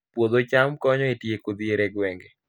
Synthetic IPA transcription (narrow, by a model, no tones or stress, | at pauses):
pwod̪ot͡ʃamkɔɲɔetjekod̪ieɾɛɡwɛŋɡɛ